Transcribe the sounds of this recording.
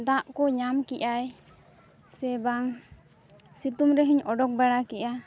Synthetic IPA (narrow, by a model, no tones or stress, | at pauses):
d̪ãʔkɔɲamkiʔaj | sɛbaŋ | sit̪umɾɛɦiɲɔɖɔk̚bɛɽakɛʔa